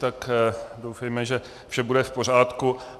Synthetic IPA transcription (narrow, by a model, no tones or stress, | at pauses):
t̪akdowfɛjmɛʒɛ | fʃɛbudɛfpo̞r̝aːt̪ku